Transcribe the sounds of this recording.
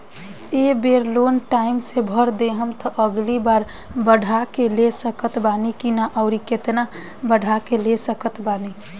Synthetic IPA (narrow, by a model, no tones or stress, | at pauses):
ebeɾlonʈaimsebʱəɾd̪eɦəmt̪ɔʔəɡlibaɾ | bəɽʱakelesəkət̪banikinaʔɔʊɾiket̪na | bəɽ̤ʱakelesəkət̪bani